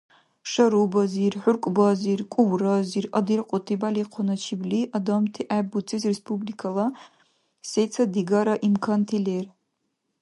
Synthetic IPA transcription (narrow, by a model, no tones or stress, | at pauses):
ʂɐɾubazirħʊrkʷʼbazirkʷʼuwrazirɐd̪irqʷʼɔtʰibaliqʷʰɔnɐt͡ʃʰibliʔad̪amtʰiʔabut͡sʰʼizrespʰublikʰala | sejt͡sʰad̪iɡaɾaʔimkʰɐntʰiler